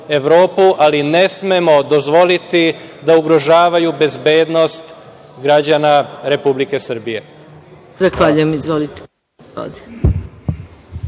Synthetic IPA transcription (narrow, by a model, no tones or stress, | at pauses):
e̞ʋɾo̞ːpuʔaline̞smemo̞d̪o̞zʋo̞lit̪id̪auɡɾo̞ʒaːʋajube̞zbe̞ːd̪no̞st̪ | ɡɾad͡ʑanaɾe̞publike̞sr̩bije̞ | zaxʋaʎujemizʋolit̪ | o̰d̪e